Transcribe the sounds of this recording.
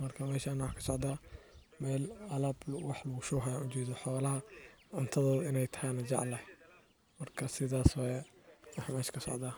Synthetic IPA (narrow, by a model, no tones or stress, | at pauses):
mɐrkʰɐmɛːʃaːnwɑħkʰɐ̥sɔʕd̪aː | mɛːlɐlɐːblʊwɑħlɐɣʊʃɔːɦɐjanʊt͡ʃɛːðɔħɔːlɐɦɐʕʊnt̪ʰɐðɔːðʊɪnɛjt̪ʰɐ̥hɛnɐd͡ʒɑ̰ʕlɐ | mɐrkʰɐsɪðaːswɑjɛwɑħmɛːʃkʰɐsɔ̰ʕd̪aː